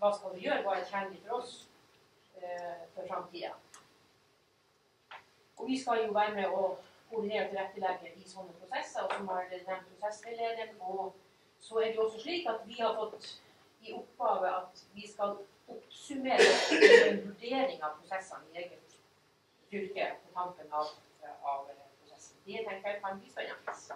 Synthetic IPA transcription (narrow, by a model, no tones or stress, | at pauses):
ʋɑːskɑlʋɪjøːɾəʋɑɾɛt̪çhænd̪ɪfɔɾɔs | fɔɾfɾɑmt̪ʰiːɑ̰ | ɔʋɪskɑljʊʋæːɾəmɛɔkʰʊd̪ɪneːɾət̪ʰɪlɾɛt̪ːəlɛɡəɪsɔnːəpʰɾʊsɛsːəɾɔsɔmhɑɖɛd̪ɛnt̪pʰɾʊsɛsɾɛleːd̪ɪənɔ | sɔæɖɛʊɔsːɔʂɭiːkɑt̪ʋɪhɑɾfɔt̪ː | ɪʊpɡɑːʋəʔɑt̪ʋɪskɑl | ʊpsʉmeːɾeːɡənʋʉɖeːɾɪŋɑʋpʰɾʊsɛsːɑ̰nɪeːɡət̪ | t̪ʏɾkəpʰɔt̪ʰɑmpənɑʋ | ɑʋpʰɾʊsɛsnd̪ɛt̪ʰɛŋkəjɑkʰɑnbiːsɛnɑ̰ŋs